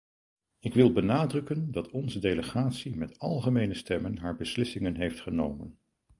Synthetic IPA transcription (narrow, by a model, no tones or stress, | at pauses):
ɪkʋɪlˠbənaːdrɵkəndɑtʰɔnzədejləχaːtsimɛtɑlˠχəmejnəstɛmənɦaːɹbəslɪsɪŋənɦejftχəno̰wmə̰n